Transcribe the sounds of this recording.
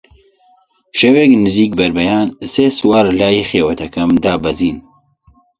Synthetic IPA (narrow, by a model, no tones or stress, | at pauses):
ʃɐweːknɨziːk̚bɐɾbɐjaːnseːswaːɾlaːjiːxeːwɐt̪ɐkɐmd̪aːbɐziːn